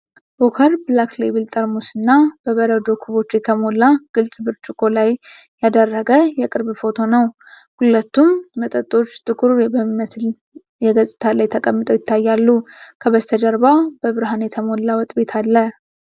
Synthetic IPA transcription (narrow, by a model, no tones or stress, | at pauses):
bokʰəɾbɨlaklejbɨlt̪ʼəɾmusɨnːab̥əβəɾəd̪o̞kʰuβo̞t͡ʃːjɛt̪ʰəmo̞lːaɡ̥ɨlsʼbɨɾt͡ʃʼɪkʼo̞lajjad̪ərːəɡəjɛkʼɨɾbfo̞t̪ʰo̞nəw | hulət̪ːumːət̪ʼət̪ʼːo̞t͡ʃːt̪ʰʼɨkʰʼuɾubəmət̪ | jɛɡəsʼɨt̪ʰalajt̪ʰəkʼəmːɨt̪ʼəwjɪt̪ʰːajːalːukʰəβəst̪ʰəd͡ʒəɾbab̥əβɨɾɦanjɛt̪ʰəmo̞lːawɔt̪ʼbe̞t̪ʰalːə